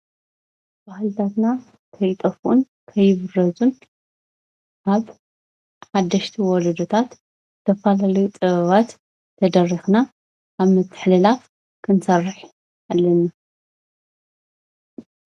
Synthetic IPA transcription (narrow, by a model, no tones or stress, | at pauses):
b̥ahɨlt̪ʰat̪na | kʰɐjt̪ʼɐfʔun | kʰɐjɪβɨrːɐzun | ʔaβ | ħad̪ːɐʃt̪ʰiwɔd̪ɐd̪ot̪ʰat̪ | t̪ʰɐfalalɐjut͡s̪ʼɨβɐβat̪ʰː | ɐd̪ɐrixna | kaβmɨt̪ʰːɨ̥ħlɨlaf | kʰɨnsɐrːɨħ | alːɐna